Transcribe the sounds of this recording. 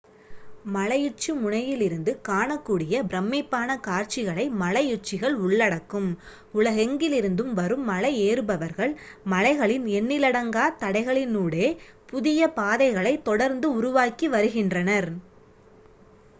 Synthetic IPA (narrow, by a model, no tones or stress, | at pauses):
mɐlɐjɪt͡ʃːimʊɳɐjɪlɪɾɯnd̪ɯkaːɳɐkːuːɽɪjɐbɪɾɐmːɪpːaːnɐkaːɾt͡ʃɪɣɐɭɐɪmɐɭɐjɪrt͡ʃːɪɣɐɭʊɭːɐɽɐkːɯm | ʊɭɐɣɛŋɡɪlɪɾɯnd̪ɯmʋɐɾɯmːɐlɐɪeːɾɯbɐʋɐɾɣɐɭmɐlɐɪɣɐɭɪnɛnːɪlɐɽɐŋɡaːt̪ɐɽɐɪɣɐɭɪnuːɽeːpʊðɪjɐpaːðɐɪɣɐɭɐɪt̪ːɔɽɐɾnd̪ɯʊɾʊʋaːkiʋɐɾɯɣɪndrɐnɐɾ